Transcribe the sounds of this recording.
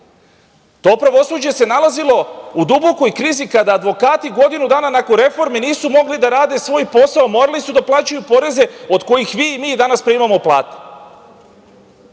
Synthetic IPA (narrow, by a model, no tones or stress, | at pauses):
t̪o̞pɾaʋo̞suːd͡ʑe̞se̞nalˠazilo̞ud̪ubo̞ko̞jkɾiːzikad̪aːd̪ʋo̞kaːt̪iɡo̞d̪inud̪aːnanakoɾe̞fo̞ɾminiːsumo̞ɡlid̪aɾaːd̪e̞sʋo̞ːjpo̞saomo̞ːɾalisud̪aplˠaːt͡ɕajupo̞ɾe̞ze̞o̞d̪ko̞jixʋiːmiːd̪anaspɾeimamoplˠa̰ːt̪e̥